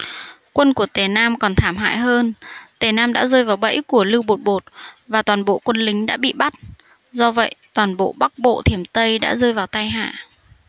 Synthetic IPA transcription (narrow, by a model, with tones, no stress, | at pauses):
kwə˧nku˧˩ət̪e˨˩naː˧mkɔ˨˩nt̪ʰaː˧˩mɦa̰ː˧˨jɦəː˧nt̪e˨˩naː˧mɗa̰ː˧˥zəː˧jvaː˨˩wɓə̰˧˥jku˧˩əlɨ˧wɓo˨˩t̚ɓo˨˩t̚vaː˨˩t̪waː˨˩nɓo̰˧˨kwə˧nlï˨˦ŋ̟ɗa̰ː˧˥ɓḭ˧˨ɓa˦˥t̚ | zɔ˧və̰˧˨jt̪waː˨˩nɓo̰˧˨ɓa˦˥k̚ɓo̰˧˨t̪ʰi˧˩əmt̪ə˧jɗa̰ː˧˥zəː˧jvaː˨˩wt̪a˧jɦa̰ː˧˨